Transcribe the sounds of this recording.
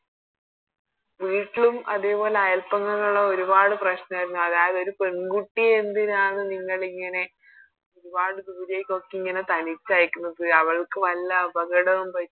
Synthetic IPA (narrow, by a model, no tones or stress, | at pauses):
ʋiːʈːilumɐ̰ðe̞ːpo̞ːle̞ɐjɐlpɐŋːɐŋːuɭːɐo̞ɾubaːɽɨprɐɕnɐaːjiɾunːuɐðaːjɐðoɾupe̞ɳɡuʈːiend̪inaːɳɨniŋːɐɭiŋːɐne̞ | o̞ɾubaːɽɨd̪uːɾejkːokːiiŋːɐne̞t̪ɐnit͡ɕːaːjkʲːunːɐðɨɐʋɐɭkɨʋɐlːɐːbɐɣɐɽɐʋumpɐtː